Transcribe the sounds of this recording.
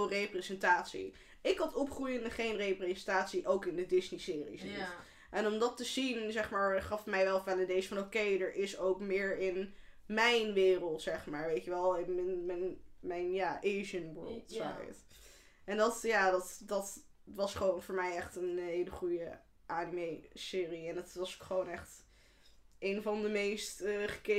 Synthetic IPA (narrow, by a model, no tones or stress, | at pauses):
rejprezɛntaːtsḭ | ɪkɦɑtɔpχrujənəχejnrejprezɛntaːtsiʔowkɪndədɪznisɪːrḭsnit | ʔɛnɔmdɑtəzinzɛχmaːɹχɑfmɛjʋɛlˠvɛlədejsfɑnokejdəɹʔɪsowkmɪːɹɪn | mɛjnʋɪːrəlˠtsɛχmaːɹʋejtəʋɛlˠɪnmɛnmɛnmɛjnjaːʔejʒənwɜ̰ɹlˠtsa̰j̰t | ɛndɑtjaːdɑtdɑt | ʋɑsχəʋownvʊːɹmɛjɛχtənɦejləχujə | ʔanimejsɪːriɛndɑtʋɑsokχəʋownɛχt | ʔejnvɑndəmejstəχə̥ke